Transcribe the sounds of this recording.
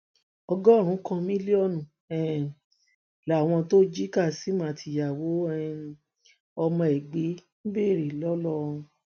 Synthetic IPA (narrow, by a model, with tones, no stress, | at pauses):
ɔ˧ɡɔ˦˨ɾ̃ũ˨˦kã˧mĩ˦li˦ɔ˦˨nũ˨ | ɛ˨ | la˨w̃ɔ̃˧to˦d͡ʒi˦ka˦˨si˨˦mã˨˦˨tʰi˧˨ja˨wo˨˦ɛ˦˨ | ɔ˧mɔ̃˧ɛ˨ɡ͡be˨˦nĩ˦be˦˨ɾe˨lɔ˦lɔ̃˦˨˧